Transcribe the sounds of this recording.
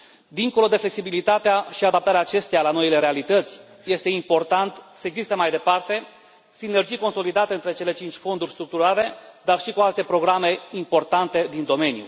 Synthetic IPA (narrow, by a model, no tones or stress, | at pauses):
d̪iŋko̞lo̞d̪e̞fle̞ksibilit̪at̪eaʃiad̪ap̚t̪aɾeaːt͡ʃe̞st̪ejalano̞ile̞ɾe̞alit̪ət̪sʲ | je̞st̪e̞impo̞rt̪ant̪səeɡzist̪əmajd̪e̞part̪e̞ | sine̞rd͡ʒijko̞nso̞lid̪at̪əɨnt̪ɾe̞t͡ʃe̞le̞t͡ʃint͡ʃʲfo̞nd̪urʲst̪ɾuk̚t̪uɾale̞d̪arʃikualt̪e̞pɾo̞ɡɾame̞impo̞rt̪ant̪e̞d̪ind̪o̞me̞njṵ